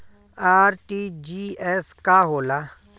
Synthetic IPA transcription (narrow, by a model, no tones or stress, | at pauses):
aːɾʈid͡ʒiɛskaɦoːla